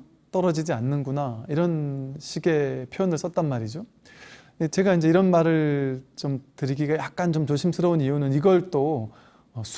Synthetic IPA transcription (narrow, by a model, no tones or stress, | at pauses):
t͈ʌɾʌd͡ʑid͡ʑianːɯnɡunaiɾʌnɕʰiɡe̞pʰjoʌnɯɭs͈ʌt̚t͈anmaɾid͡ʑo | et͡ɕe̞ɡaind͡ʑe̞iɾʌnmaɾɯɭt͡ɕomtɯɾiɡiɡajak̚k͈ant͡ɕomt͡ɕoɕʰimsʰɯɾʌonijunɯniɡʌɭt͈o | ʌsʰ